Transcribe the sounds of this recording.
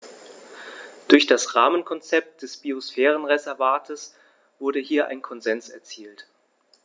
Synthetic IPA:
d̥ʊɐçd̥asʁaːmənkʰɔnt͡sɛp̚t̚d̥ɛsb̥iosfɛːʁ̞ənʁezɛɐvaːtʰəs | v̥ʊɐdəhiːɐʔa̰ɪnkʰɔnzɛnsɛɐt͡siːlt

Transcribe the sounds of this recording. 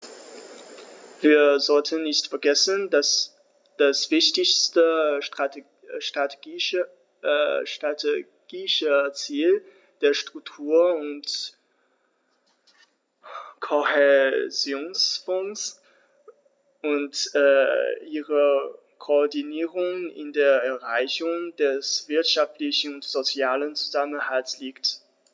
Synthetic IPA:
viːɐzɔltʰənːɪçtfɛɐɡɛsəndas | d̥asv̥ɪçtɪçstəʁa | ʃtʁateɡi | ʃtʁatʰe | ɡ̥iʃət͡siːl | d̥eːɐʃtʁ̥ʊk̚tʰuːɐʊnt | kʰohɛzjoːnsfɔns | ʔʊntɛʔiːʁə | kʰoːdiniːʁʊŋɪ̰ndeːɐɛɐʁaɪçʊŋd̥ɛsv̥ɪɐtʃaftlɪçn̩ʊntz̥ot͡sjaːlənt͡su̥zamənhaltsliːkt

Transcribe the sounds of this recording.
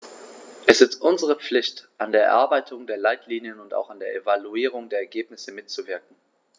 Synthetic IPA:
ʔɛsɪstʔʊnzəʁ̞əp͡flɪçtʔandeːɐʔɛ̰ɐʔaɐbaɪtʰʊŋdeːɐlaɪtʰliːnjənʊnta̰ʊxandeːɐʔevaluiːʁ̞ʊŋdeːɐɛɐɡeːpnɪsəmɪtt͡suvɪɐk̚ŋ̩

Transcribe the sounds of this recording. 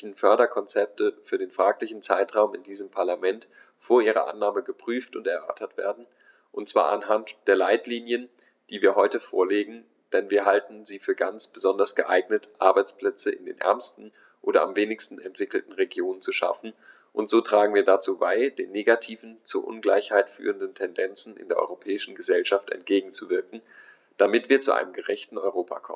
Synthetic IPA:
n̩fœɐɾɐkʰɔnt͡sɛp̚təfyːɐdeːnfʁ̥aːklɪçn̩t͡saɪtʁ̥aʊmɪ̰ndiːzəmpʰaɐlamɛnt | foːɐʔiːʁ̞ɐ̰ʔa̰nːaːməɡəpʁ̥yːftʊntɛɐʔœ̰ɐtɐtv̥ḛːɐdn̩ | ʔʊntt͡sv̥a̰ːʔa̰nɦantd̥eːɐlaɪtliːnjən | d̥iːviːɐɦɔʏtəfo̰ːɐleːɡŋ̩ | d̥ɛnviːɐɦaltn̩ziːfyːɐɡant͡sb̥əzɔndɐsɡ̥əʔaɪɡnətʔa̰ɐbaɪt͡spl̥ɛt͡səʔɪ̰ndḛːnʔɛ̰ɐmstn̩ | ʔoːɾɐamveːnɪçstn̩ɛntv̥ɪkl̩tn̩ʁeɡjoːnənt͡suʃa̰fn̩ | ʔʊntz̥oːtʁ̥aːɡŋ̩viːɐdat͡suːbaɪd̥eːnːeːɡatʰiːvn̩t͡suɐʔʊ̰nɡlaɪçhaɪtfy̰ːʁəndn̩tʰɛndɛnt͡sn̩ʔɪ̰ndeːɐʔɔ̰ʏʁopʰɛːɪʃn̩ɡəzɛlʃaftɛ̰ntɡ̥eːɡŋ̩t͡suvɪɐkŋ̩ | d̥amɪtv̥iːɐt͡suʔa̰ɪnəmɡəʁɛçtn̩ɔʏʁ̞oːpʰa̰kʰɔ̰mən

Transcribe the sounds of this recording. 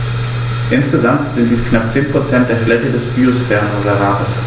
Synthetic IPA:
ʔɪnsɡ̥əzamtz̥ɪnt̚d̥iːskʰnap̚t͡seːnpʁ̥ot͡sɛnt̚d̥eːɐtlɛtədɛsb̥iːosfɛɐənozaʁaːʁəs

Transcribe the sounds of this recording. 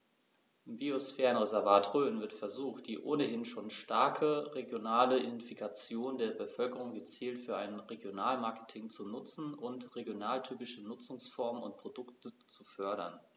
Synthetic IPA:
ɪmbiosfɛːʁənʁezɛɐvaːtʁøːnvɪɐtfɛɐzuːxt̚d̥iːʔoːnəhɪnʃoːnʃtaɐkʰəʁeɡjonaːləɪnfikʰat͡sjoːndeːɐbəfœlkəʁ̞ʊŋɡət͡siːltfyːɐʔa̰ɪnʁeɡjonaːlmaɐkə̥tʰɪŋt͡sunʊt͡sn̩ʔʊntʁeɡjonaːltʰyːpɪʃənʊt͡sʊŋsfɔɐmənʊ̰nt̚pʁ̥odʊktʰət͡sufœɐɾɐ̰n

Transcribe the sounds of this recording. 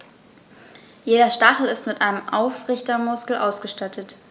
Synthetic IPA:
jeːɾɐʃtaχl̩ɪstmɪtʔaɪnəmʔaʊfʁɪçtɐmʊskl̩ʔaʊsɡ̥əʃtatʰət

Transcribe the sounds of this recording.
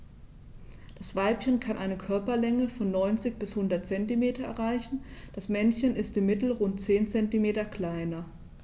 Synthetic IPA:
d̥asv̥aɪpçənkʰanʔaɪnəkʰœɐpɐlɛŋəfɔnːɔʏnt͡sɪçb̥ɪshʊndɐt̚t͡sɛntimeːtɐɛ̰ɐʁaɪçn̩d̥asmɛnçənɪstɪmːɪtl̩ʁʊnt̚t͡seːnt͡sɛntimeːtɐkl̥aɪnɐ

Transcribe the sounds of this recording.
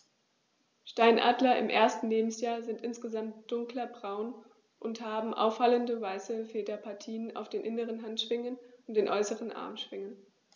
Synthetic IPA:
ʃtaɪnʔa̰ːdlɐʔɪ̰mʔḛːɐstn̩leːbm̩sjaːɐzɪntʔɪnsɡ̥əzamtd̥ʊŋklɐbʁaʊn | ʔʊnthaːbm̩ʔa̰ʊfhaləndəvaɪsəfeːdɐpʰaɐtʰiːəna̰ʊfd̥eːnʔɪnəʁənɦantʃv̥ɪŋənʔʊnt̚d̥eːnʔɔʏsəʁənʔa̰ɐmʃv̥ɪŋən

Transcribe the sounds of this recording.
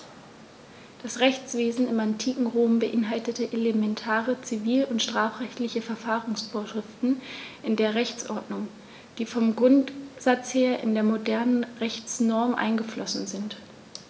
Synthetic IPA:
d̥asʁɛçt͡sv̥eːzn̩ɪmantʰiːkŋ̩ʁoːmbəʔɪnɦaltətəʔelemɛntʰaːʁət͡siviːlʊntʃtʁ̥aːfʁɛçtlɪçəfɛɐfaːʁʊŋsfoːɐʃʁ̥ɪftn̩ʔɪndeːɐʁɛçt͡sʔɔɐdnʊŋ | d̥iːfɔmɡʁʊntz̥at͡sheːɐʔɪ̰ndeːɐmodɛɐnənʁɛçt͡snɔɐmʔa̰ɪnɡəflʔɔsn̩zɪnt

